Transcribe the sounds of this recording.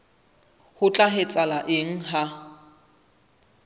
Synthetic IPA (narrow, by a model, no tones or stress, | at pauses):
hʊt͡ɬʼaɦɪt͡sʼalaʔeŋ̩ɦa